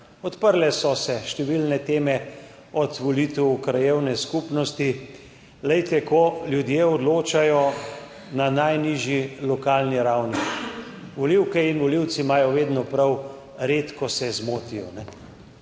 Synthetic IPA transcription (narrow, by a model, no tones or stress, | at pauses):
ɔt̪pəɾlɛsɔsɛʃt̪ɛʋilnɛt̪eːmɛ | ɔt̪ʋɔlit̪ɛwkɾajewnɛskupnɔst̪i | lɛjt̪ɛkɔljud̪jeɔd̪loːt͡ʃajɔ | nanajniːʒjilɔkaːlniɾawni | ʋɔliwkɛinʋɔliwt̪simaːjɔʋeːd̪nɔpɾaw | ɾeːt̪kɔsɛzmoːt̪ijɔ̰nɛ